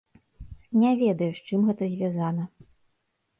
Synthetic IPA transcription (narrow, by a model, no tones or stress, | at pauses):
nʲɛvʲɛd̪ɐjuʂt͡ʂɨmɣɛt̪ɐzʲvʲazanɐ